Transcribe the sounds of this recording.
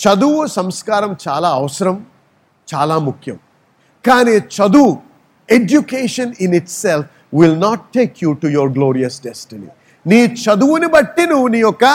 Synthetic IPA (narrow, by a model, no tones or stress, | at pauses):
t͡ʃɐd̪uʋusɐmskaːɾɐmt͡ʃaːlaːɐʋɐsɐɾɐm | t͡ʃaːlaːmukʰjɐm | kaːniːt͡ʃɐd̪u | ed͡ʒjukeːʂɐniniʈself | ʋilnaːʈːeːkʰjuːʈujɔɾɡloːɾijɐsɖɛsʈinḭ | niːt͡ʃɐd̪uʋunibɐʈːinuniːjɔkɐ